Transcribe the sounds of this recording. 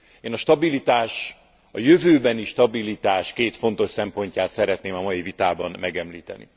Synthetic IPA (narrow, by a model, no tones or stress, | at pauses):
eːnɒʃt̪ɒbilit̪aːʃ | ɒjøvøːbɛniʃt̪ɒbilit̪aːʃkeːt̪fo̞n̪t̪o̞ʃsɛmpo̞ɲcaːt̪sɛɾɛt̪neːmɒmɒjivit̪aːbɒnmɛɡɛmliːt̪ɛ̰nḭ